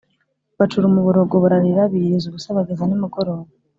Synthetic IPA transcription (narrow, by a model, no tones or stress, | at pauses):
βat͡ʃuɾumuβuɾoɡoβoɾaɾiɾaβiɾezuβusaβaɡezanimuɡoɾoβa